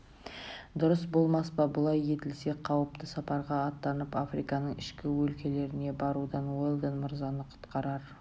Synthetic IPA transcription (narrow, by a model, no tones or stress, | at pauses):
d̪ʊɾəsbo̞lˠmɑspɑbʊlˠɑje̞t̪ɪlse̞qʰɑwəp̚t̪əsɑpɑɾʁɑːt̪ːɑnəpafɾijkɑnəɴɪʃkʲɪwɵlkʲe̞le̞ɾɪne̞bɑɾud̪ɑnwolˠd̪ənmʊɾzɑnəqʰʊ̥t̪qɑɾɑɾ